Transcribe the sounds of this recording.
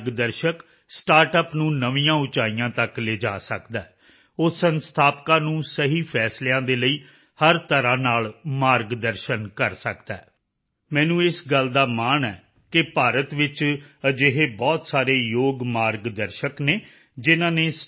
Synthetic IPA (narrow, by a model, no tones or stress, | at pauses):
ɡd̪əɾʃək | sʈaːɾʈəpnũːnəʋijãːʊt͡ʃaːijãːt̪əkleːd͡ʒa̰ːsəkd̪aɛː | ʊsənst̪ʰaːpkãːnũːsəɦiːpʰɛːslejãːd̪eːləiː | həɾt̪əɾãːnaːlmaːɾɡd̪əɾʃənkəɾsə̰kd̪aː | mɛ̃ːnũːɪsɡəld̪aːmaːɳɛː | kɪpaːɾət̪ʋɪt͡ʃəd͡ʒeɦeːbɔːt̪saːɾeːjoːɡmaːɾɡd̪əɾʃəkneː | d͡ʒɪnãːneːs